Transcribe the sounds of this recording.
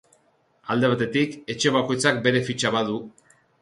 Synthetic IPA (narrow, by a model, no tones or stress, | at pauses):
ald̪e̞β̞at̪e̞t̪ike̞t͡ʃe̞βako̞jt͡sak̚be̞ɾe̞fit͡ʃaβaðu